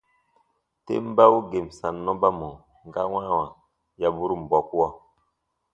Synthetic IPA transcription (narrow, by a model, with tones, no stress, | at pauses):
tḛ˦m˦ba˦wu˦ɡe˨msa˨nːɔ˦ba˦mɔ˨ | ŋɡa˦wã˦wa˨ | ja˨bu˦ɾu˦˨m̩˨bɔ˨ku˦a˦˨